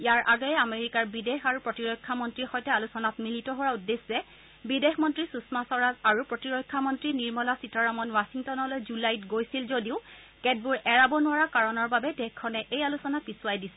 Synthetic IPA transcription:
ijaɹʔaɡɔjɛameɹikaɹbidexaɹupɹɔtiɹɔjkʰːamɔntɹixɔjtɛalusɔnatmilitɔɦowaudːeszɛ | bidexmɔntɹisusmasɔɹazaɹupɹɔtiɹɔjkʰːamɔntɹiniɹmɔlasitɔɹamɔnwasiŋtɔnɔlojzulajtɡojsilzodiʊ | kɛd̚buɹɛɹabɔnʊwaɹakaɹɔnɔɹbabɛtɛkʰːɔnɛʔejalusɔnat̚biswajdisɛ

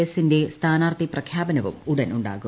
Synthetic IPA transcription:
ɐsinde̞st̪ʰaːnaːrt̪iprɐkʰjaːbɐnɐʋṵmuɽɐnuɳɖa̰ːɣu

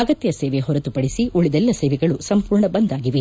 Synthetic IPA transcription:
ɐɡɐt̪jɐseːʋeɦɔɾɐt̪upɐɽisiʔuɭid̪ɛlːɐseːʋɛɡɐɭusɐmpuːɾɳɐbɐnd̪aːɡiʋe

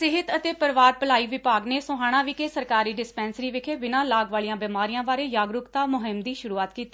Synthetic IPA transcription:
sɪɦɪt̪ət̪eːpəɾʋaːɾpəlaːiːʋɪpaːɡneːsʊɦaːɽ̃ãːʋiːkeːsəɾkaːɾiːɖɪspɛːnsɾiːʋɪkʰeːbɪnãːlaːɡʋaːliːãːbɪmaːɾijãːbaːɾeːjaːɡɾʊkt̪aːmʊɦɪmd̪iːʃʊɾuːaːt̪kiːt̪iː

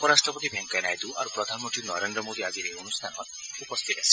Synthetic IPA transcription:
ɔpɔɾasʈɾɔpɔt̪ibʱeŋkɔenajd̪ua̰ɾupɾɔd̪ʱanmɔnt̪ɾinɔɾend̪ɾɔmod̪iad͡ʒiɾeonust̪ʰanɔɾupɔst̪ʰit̪esʰi̥

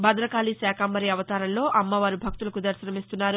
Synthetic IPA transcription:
bɐd̪ɾɐkaːliːsɛːkʰɐmbɐɾiɐʋɐt̪aːɾɐnlo̞ːʔɐmːɐʋaːɾubʱɐk̚t̪ulɐkud̪ɐɾʃɐɾɐmist̪unːaːɾu

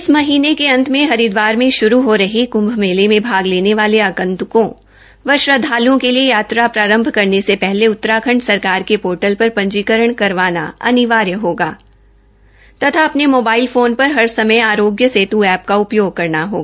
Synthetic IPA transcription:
ɪsmɐɦiːnekeɐ̃nt̪ʰmẽɦɐɾɪd̪ʋaːɾmẽʃʊɾuɦoɾɐɦikʊ̃mbʱmeːlemẽbʱaːɡleːneʋaːleaːkə̃nt̪ʊkõ | ʋɐʃɾəd̪ʱaːlõkeliejaːt̪ɾapɾaːɾə̃mbʱkɐɾnesepɛɦleʊt̪ːɾaːkʰə̃ɳɖsɐɾkaːɾkepoːɾʈəlpɐɾpɐ̃ɲd͡ʒiːkəɾəɽ̃kɐɾʋaːna̰ɐ̰nɪʋaːɾjəɦoːɡaː | t̪ɐt̪ʰaɐpnemoːbaːɪlfoːnpɐɾɦɐɾsɐməjaːɾoːɡjəseːt̪uɛːp̚kaʊpjoːɡ̚kɐɾnaɦo̰ːɡaː

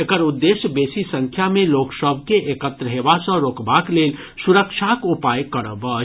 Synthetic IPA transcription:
ekəɾʊd̪ːeːsjəbeːsisə̃ŋkʰjamẽloːksəbʱkeʔeːkət̪ɾəɦeːʋasə̃ɾoːkbaːkleːl | suɾəkʃʰakʊpaːjkəɾəbə

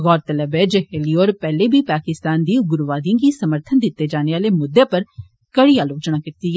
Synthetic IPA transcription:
ɣɔːɾt̪ələbeːd͡ʒhelioːɾpɛːleːbʱiːpaːkɪst̪aːnd̪iːɡʊɾʋaːd̪ijãːɡiːsəməɾt̪ʰənd̪ɪt̪ːeːd͡ʒaːneːaːleːmʊd̪ːeːpəɾ | kəɽiːaːloːt͡ʃɳaːkɪt̪iːɛ

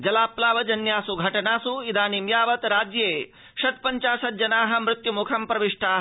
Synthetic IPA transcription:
d͡ʒɐlaːplaːʋɐd͡ʒɐnjaːsuɡʱɐʈɐnaːsuid̪aːnimjaːʋɐt̪ɾaːd͡ʒjeː | ʃɐt̪̚pɐɲt͡ʃaːʃɐt̪̚d͡ʒɐnaːɦɐ̆mɾɪt̪jumukʰɐmpɾɐʋiʂʈaːɦ

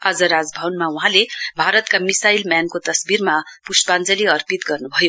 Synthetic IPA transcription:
ʌd͡zʌɾad͡zbʱʌwnmauɦãlebʱaɾʌt̪kamisailmjankot̪ʌsbirmapuspand͡zʌliʌrpit̪ɡʌrnubʱʌjo

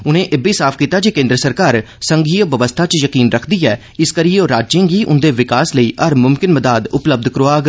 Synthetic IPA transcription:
ʊnẽːʔeːbiːsaːpʰkiːt̪aːd͡ʒeːkẽːnd̪ɾəsəɾkaːɾ | səŋɡiːəʋəʋəst̪ʰaːt͡ʃjəkiːnɾəkʰd̪iːɛː | ɪskəɾiːoːɾaːd͡ʒẽːɡiːʔʊ̰nd̪eːʋɪkaːsləiːʔəɾmʊmkɪnməd̪aːd̪ʊpləb̚d̪kəɾoaːɡ

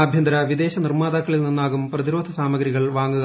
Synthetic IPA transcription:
ɐbʱjɐnd̪ɐɾɐʋid̪e̞ːɕɐnirmaːðɐkkːɐɭilninːaːɣumprɐðiɾoːd̪ʱɐsaːmɐɡɾiɣɐɭʋaːŋːuɣ

